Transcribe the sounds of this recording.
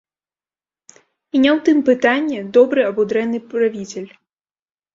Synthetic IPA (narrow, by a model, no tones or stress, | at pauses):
inʲawt̪ɨmpɨt̪anʲːɛd̪ɔbɾɨɐbud̪ɾɛnːɨpɾavʲit͡sʲɛlʲ